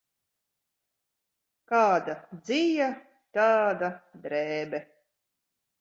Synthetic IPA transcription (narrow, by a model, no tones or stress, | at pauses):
kaːd̪ad̪zija | t̪aːd̪ad̪ɾɛːbɛ